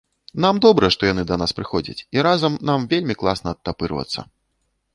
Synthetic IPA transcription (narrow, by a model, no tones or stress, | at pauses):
n̪amd̪ɔbɾɐʂt̪ɔjanɨd̪ɐnaspɾɨxɔd͡zʲɐ̰t͡sʲiɾazɐmnamvʲelʲmʲiklˠasnɐːt̪ːapɨɾvɐ̰t̪sːɐ̰